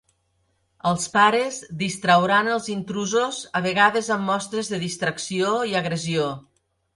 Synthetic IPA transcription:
əlˠspaɾəzðist̪ɾəwɾanəlˠzint̪ɾuzozəβəɣaðəzəmːɔst̪ɾəzðəðist̪ɾəksioiəɣɾəzio

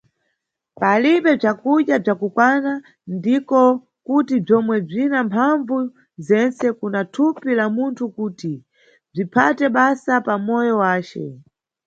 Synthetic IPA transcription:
paliɓɛb͡ʐakuɗjab͡ʐakukwana | ndikɔ | kutib͡ʐɔmwɛb͡ʐinampʰaɱvu | zɛnt͡sɛkunatʰupilamuntʰukuːti | b͡ʐipʰatɛɓasapamɔjɔwaːt͡ʃɛ̰

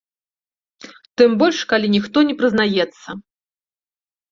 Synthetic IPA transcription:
t̪ɨmbɔlʲʂkalʲinʲixt̪ɔnʲɛpɾɨznajɛt̪sːɐ

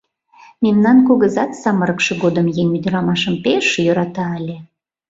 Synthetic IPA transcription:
memnɑnkoɣəzɑt̪sɑməɾəkʃɤ̆ɣod̪əmjenʲyd̪əɾɑmɑʃəmpeʃjøɾɑt̪ɑːlʲe

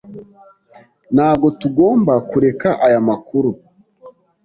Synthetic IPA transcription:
naːb̚ɡo̞tuɡo̞ːmbakuɾe̞kaʔajamakuɾu

